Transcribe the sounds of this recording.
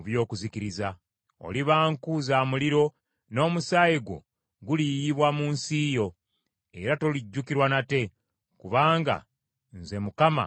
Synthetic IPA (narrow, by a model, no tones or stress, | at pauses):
βjo̞ːkuzikiɾiza | o̞̰liβaːŋkuzaːmuliɾo̞ | no̞ːmusaːjeɡwo̞̰ | ɡulijiβwamuːnsiːjo̞ | e̞ɾato̞liɟːukiɾwanate̞ | kuβaːŋɡa̰ | nze̞mukama̰